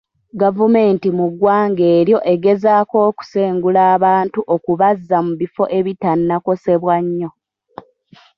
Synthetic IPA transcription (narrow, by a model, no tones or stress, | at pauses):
ɡavume̞ːntimuɡwaːŋɡe̞ːɾjo̞ʔe̞ɡe̞zaːko̞ːku̥se̞ːŋɡulaːβaːntuʔo̞kuβazːamuβifo̞̰ʔe̞βitanːako̞se̞βwaɲːo̞